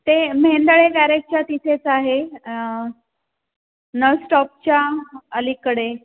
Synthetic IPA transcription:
t̪emɦeɳd̪əɭekæɾek̚t͡ɕat̪it̪ʰet͡saɦe | nəʋsʈɔp̚t͡ɕjaəlikəɽe

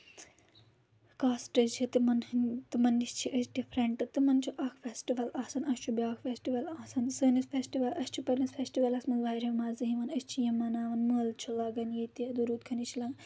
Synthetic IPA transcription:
kaːsʈɐt͡ʃʰit̪ɨmɐnt̪ɨmɐnːist͡ʃʰiʔəsɖifɾɐɳʈɨt̪ɨmɐnt͡ʃʰuʔɐkʰfʲesʈiʋɐlaːsɐnɐsʲt͡ʃʰubiaːkʰfʰesʈiʋɐlaːsɐnsəːnispʰʲesʈiʋɐlʔɐsʲt͡ʃʰupɐɾnispʰesʈiʋɐlɐsmɐnzʋaːjɾɐmaːzɨɦiʋɐnɐsʲt͡ʃʰijɐmɐnaːʋɐnməːlt͡ʃʰulɐɡɐnjiːt̪iɐd̪uɾuːt̪̚kʰɐnit͡ʃʰilɐɡ

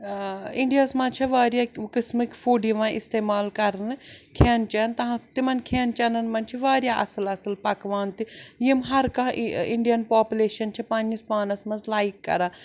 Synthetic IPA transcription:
ɪ̃ɳɖijaːsmãːt͡ʃʰiʋaːɾjaːkɪsmikfuːɖiʋãːɪst̪eːmaːlkɐɾnɨkʰeːnt͡ʃɐnt̪ɐɦãt̪imɐnkʰeːnt͡ʃɐnɐnmɐnt͡ʃʰiʋaːɾjaːʔɐsɨlɐsɨlpɐkʋaːnt̪ijimɦɐɾkãɪɳɖijɐnpaːpuleːʃɐnt͡ʃʰipɐnispaːnɐsmɐzlaːikːɐ̰ɾãː

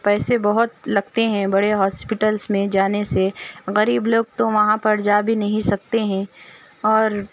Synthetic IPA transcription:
pɛːsebɐɦʊt̪lɐɡt̪eɦɛ̃bɐɽeɦɔːspɪʈəlsmẽd͡ʒaːneseɣɐɾiːbloːɡ̚t̪oʋɐɦãpɐɾd͡ʒaːbʱinɐɦĩsɐk̚t̪eɦɛ̃ | ɔːɾ

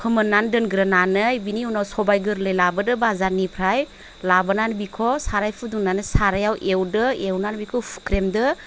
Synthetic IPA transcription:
pʰɯmɯnandɯnɡɾɐnanɯjbiniwnawsɔbajɡɯɾlejlabɯdɯbazanipʰɾaj | labɯnanbikʰɔsaɾajpʰɯduŋnanɯsaɾajawʔewdɯewnanbikʰɔpʰu̥kɾemdɯ

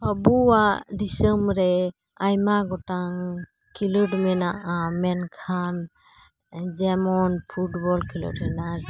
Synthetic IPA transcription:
abuwad̪isəmɾɛ | ajmaɡɔʈaŋ | kʰiluʈmɛnaʔamɛnkʰan | d͡ʒɛmɔnpʰuʈbɔlkʰilɔ̰ɖɛna

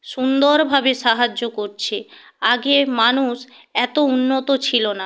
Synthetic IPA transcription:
ʃund̪oɾbʱabeʃaɦad͡ʑːokoɾt͡ɕʰe | aɡemanuʃ | ɛt̪ounːot̪ot͡ɕʰilona

